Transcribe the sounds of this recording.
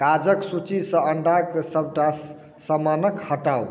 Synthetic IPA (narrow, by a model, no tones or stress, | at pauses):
kad͡ʒəksut͡ʃisʌ̃əɳɖaksəb̚ʱʈa | səmanəkhəʈaw